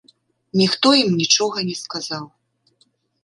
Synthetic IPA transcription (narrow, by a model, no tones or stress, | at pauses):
nʲixt̪ɔjimnʲit͡ʂɔɣɐnʲɛskazaw